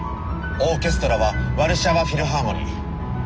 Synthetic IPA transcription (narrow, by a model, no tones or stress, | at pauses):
o̞ːkʲe̞sɨ̥t̪o̞ɾaβaβaɾɯ̟ɕaβaɸʲiɾɯ̟ɦaŋoɲʲḭ